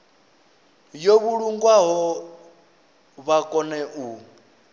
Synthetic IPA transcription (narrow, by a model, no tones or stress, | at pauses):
joβuɺuŋɡwaɦɔ | βakʼɔnɛʔu